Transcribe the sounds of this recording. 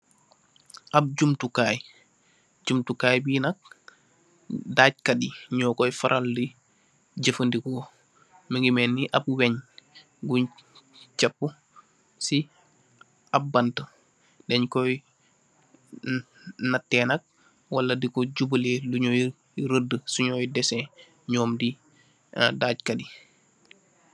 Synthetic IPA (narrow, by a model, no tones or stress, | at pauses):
ʔab̚ɟumtukaːj | ɟumtukaːjbinak̚ | daːɟ̚kadiɲɔːkɔjfaɾʔaldi | ɟəfəndikɔ | miŋɡimɛnːiʔab̚wɛɲ | ɡuɲt͡ʃɛpːu | si | ab̚bantə | dɛɲkɔj | natːɛːnɐk̚ | walːɐdikɔɟubəleluɲoj | ɾədːəsuɲɔːjdɛsɛ̃ | ɲɔːmdi | daɟ̚kɐdi